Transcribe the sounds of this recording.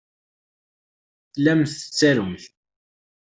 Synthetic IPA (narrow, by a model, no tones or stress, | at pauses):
θlæmθə̥t͡sːæɾʊmθ